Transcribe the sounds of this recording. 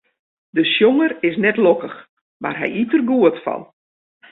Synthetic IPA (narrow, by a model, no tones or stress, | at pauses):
dəʃjoŋərɪs̬nɛtlokəx | ma̰rɦɛ̰jitərɡuətfɔ̰n